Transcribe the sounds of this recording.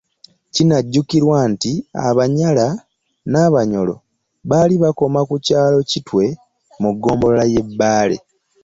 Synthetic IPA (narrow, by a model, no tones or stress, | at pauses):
cinaɟːukiɾwaːntia̰βaɲala | naːβaɲo̞lo̞̰ | βaliβako̞makucaːlo̞citwe̞ | muɡːo̞ːmbo̞lolaje̞bːaːle̞̰